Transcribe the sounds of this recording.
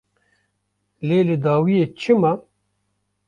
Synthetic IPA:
leːlɨd̪aːwijeːt͡ʃʰɨma

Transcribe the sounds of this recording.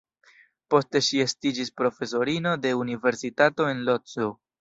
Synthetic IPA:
po̞ste̞ʃie̞stid͡ʒispɾo̞fe̞s̬o̞ɾino̞de̞unive̞ɾsitato̞e̞nlott͡su

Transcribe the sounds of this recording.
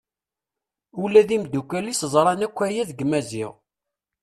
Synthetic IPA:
ʊlæðimd̪ukːæliszˤɾˤɑnækʷːæjæðɡmæziʁ

